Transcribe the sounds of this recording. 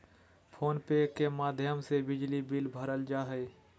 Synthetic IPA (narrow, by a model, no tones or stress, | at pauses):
pʰoːnpekemaːd̪ʱjəmsebɪd͡ʒlibɪlbʱəɾəld͡ʒaːɦɛː